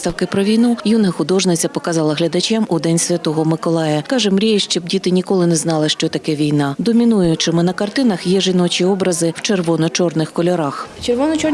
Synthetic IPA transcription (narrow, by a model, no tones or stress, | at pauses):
t̪ɐwkɪpɾɔʋʲijnujunɦɐxʊd̪ɔʒnɪt͡sʲɐpɔkɐzɑlˠɐɦlʲɐd̪ɐt͡ʃamʊd̪ɛnʲsʲʋʲɐt̪ɔɦɔmɪkɔlˠɑjɐkɑʒɛmɾʲijɐʃt͡ʃɔb̚dʲit̪ɪnʲikɔlˠɪnɛznɑlˠɪʃt͡ʃɔt̪ɐkɛʋʲijnɑd̪ɔmʲinujʊt͡ʃɪmɪnɐkɐrt̪ɪnɐxjɛʒɪnɔt͡ʃiɔbɾɐzɪw̥t͡ʃerʋɔnɔt͡ʃɔrnɪxkɔlʲɔɾɑxt͡ʃerʋɔnɔt͡ʃɔ